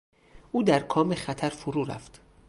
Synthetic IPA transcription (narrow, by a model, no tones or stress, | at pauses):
ʔuːd̪æɾkʰɒːmexæt̪ʰæɾfoɾuːɾæ̰ft̪